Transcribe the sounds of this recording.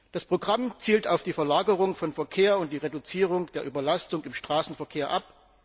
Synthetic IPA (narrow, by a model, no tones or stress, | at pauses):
d̥aspʁ̥oɡʁamt͡siːltaʊfd̥iːfɐlaːɡəʁʊŋfɔnfɛɐkʰeːɐʊnt̚d̥iːʁedʊt͡siːʁ̞ʊŋd̥eːɐʔyːbɐlastʊŋɪmʃtʁ̥aːsn̩fɛɐkʰeːɐʔap